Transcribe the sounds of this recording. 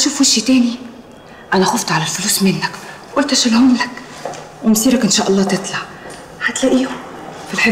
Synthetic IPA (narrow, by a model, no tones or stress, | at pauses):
ʃuːfwiʃːit̪æːni | ʔænæxʊft̪ʕalælfʊluːsmɪnːakwʔʊlt̪ʔæʃɪlhʊmlak | wɪmsiːɾakʔɪnʃaːʔɑlˤːɑːt̪ɪt̪ˤlɑʕ | hat̪læʔiːʊ | filħɪ